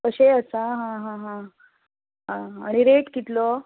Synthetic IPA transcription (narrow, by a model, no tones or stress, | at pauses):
kəɕeəsaɦãɦãɦã | ɦãaɽ̃iɾeʈkit̪lo